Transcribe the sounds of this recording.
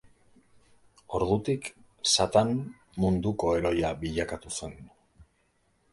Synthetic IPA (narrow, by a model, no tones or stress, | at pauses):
o̞ɾðut̪ik | sat̪an | mund̪uko̞e̞ɾo̞jabiʎakat̪use̞n